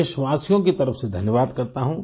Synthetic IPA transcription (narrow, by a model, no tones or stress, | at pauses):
ʃʋaːsijõkit̪ɐɾəfsed̪ʱɐnjəʋaːd̪kɐɾt̪aɦũː